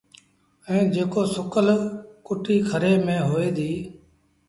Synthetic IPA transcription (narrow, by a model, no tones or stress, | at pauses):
ɛ̃ːd͡ʒeːkoːsʊkəlkʊʈiːkʰəɾeːmẽːɦoːeːd̪iː